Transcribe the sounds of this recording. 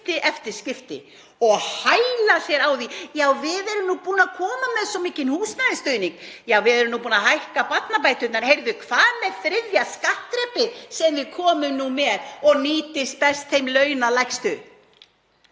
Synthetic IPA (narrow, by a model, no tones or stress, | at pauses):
t̪ɪʔɛft̪ɪɾ̥scɪft̪ɪ̰ | ɔɣhajlaθjɛɾawðijaːwvɪðɛɾʏmnupuːnakʰɔːmamɛðsɔmiːcɪnhuːsnaðɪst̪œɥniŋk | jaːwvɪðɛɾʏmnupuːnaɦajhkapat̪nap̬aːjt̪ʏnt̪naɾhejɾðʏkʰvaːðmɛðθɾɪðjaskaht̪ɾɛpɪsɛmvɪðkʰɔːmʏmnumɛðɔɣniːt̪ɪst̪̚pɛst̪θejmlœːɥnalajkst̪ʏ